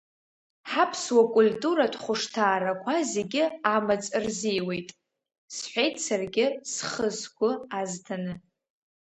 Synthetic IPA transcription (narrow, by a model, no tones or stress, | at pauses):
ħapʰswakʷʼʊltʼuɾadχʷʊʂtʰaːɾakʷʰazeɡʲɪamat͡sʼrzijwe̞jtʼ | sħʷejtʰt͡sʰarɡʲɪsχəzɡʷʼʊaztʰanɨ